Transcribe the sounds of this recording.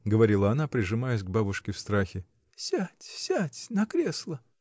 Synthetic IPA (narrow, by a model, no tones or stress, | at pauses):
ɡəvɐɾʲilˠəɐnapɾʲɪʐɨmajɪs̬ʲɡ̚babʊʂkʲɪfst̪ɾaxʲɪ | sʲætʲsʲætʲnɐkɾʲe̞slˠə